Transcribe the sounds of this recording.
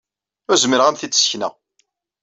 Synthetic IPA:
ʊzmiɾʁæmθid̪sçnæ̰

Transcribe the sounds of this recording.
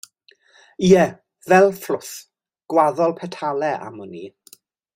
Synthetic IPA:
iɛ | vɛlˠflʊθ | ɡ̥waðɔlˠpʰɛtʰalˠɛʔa̰mɔni

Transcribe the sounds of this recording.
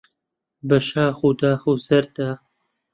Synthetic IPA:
bɐʃaːxud̪aːxuzɐɾd̪aː

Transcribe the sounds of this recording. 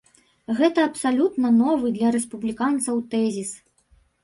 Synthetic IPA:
ɣɛt̪ɐːpsalʲut̪nɐnɔvɨd̪lʲɐɾɛspublʲikant̪sɐwt̪ɛzʲis

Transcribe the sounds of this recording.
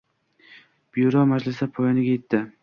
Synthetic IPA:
b̥juɾɒmad͡ʒlɪsapʰojɪnɪɡʲajet̪ʰːɪ

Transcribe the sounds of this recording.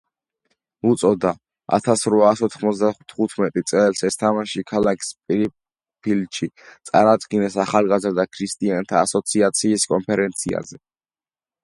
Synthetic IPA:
ut̪sʼɔd̪a | a̰t̪ʰasɾvaːsɔt̪ʰχmɔt̪sʰd̪at̪ʰχut̪ʰmɛt̪ʼit̪sʼɛlsɛst̪ʰamaʃikʰalakʰspʼiɾi | pʰilʃʰi | t̪sʼa̰ɾad̪ɡinɛsaχalˠɡazɾd̪akʰɾist̪ʼiant̪ʰaːsɔt̪sʰiat̪sʰiːskʼɔnpʰɛɾɛnt̪sʰia̰zɛ

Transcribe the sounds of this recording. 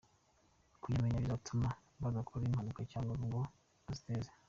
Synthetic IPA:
kujameɲaβizatuma | βaɡakʰoɾimhanukacaːŋɡaŋɡo | aziteːze̥

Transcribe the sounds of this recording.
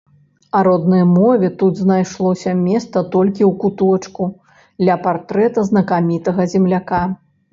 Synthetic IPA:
ɐɾɔd̪nɐjmɔvʲɛt̪ud̪znajʂlˠɔsʲɐmʲɛst̪sɐt̪ɔlʲkʲiwkut̪ɔt͡ʂku | d̪lʲɐpart̪ɾɛt̪ɐznɐkamʲit̪ɐɣɐzʲɛmlʲaka

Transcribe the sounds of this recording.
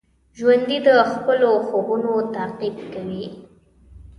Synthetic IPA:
ʒwand̪id̪əxpəloxobunot̪aqib̚kawi

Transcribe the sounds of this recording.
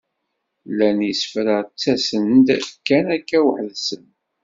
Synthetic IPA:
lænjisfɾət͡sːæsənd̪kːænækːæwəħðsən

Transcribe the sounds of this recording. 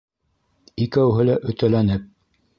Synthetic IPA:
ikæwɦɘlæʔɵ̆t̪ælænɘp̚

